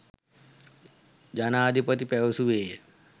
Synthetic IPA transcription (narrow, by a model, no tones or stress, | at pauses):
d͡ʑanaːd̪ʱipət̪ipɛwsuʋe